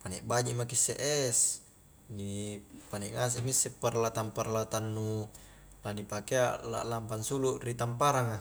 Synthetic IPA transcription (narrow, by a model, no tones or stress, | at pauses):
panɛʔbad͡ʒiʔmakisḛʔɛs | nipanɛŋas̬eʔmisːɛparlat̪amparlat̪anːu | ladipakeala̰ʔlampansuluʔrit̪ampaɾaŋa